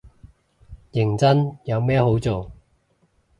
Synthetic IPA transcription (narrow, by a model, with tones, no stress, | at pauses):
jɪ˨˩ŋt͡sɐ˥njɐ˨˧wmɛː˥ho˨˥wt͡so˨w